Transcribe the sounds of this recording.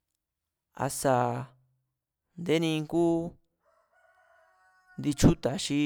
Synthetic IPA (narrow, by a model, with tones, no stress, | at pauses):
a̰˧sa˨ | nd̪e˦nĩ˧ŋku˦ | nd̪i˧t͡ʃu˦t̪a˨ʃi˧˦